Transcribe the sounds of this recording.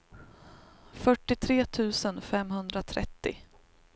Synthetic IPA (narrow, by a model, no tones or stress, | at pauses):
fœʈːɪt̪ʰɾeːt̪ʰʉ̟ːsənfɛmɦɵnd̪ɾat̪ʰɾɛ̰t̪ːɪ̰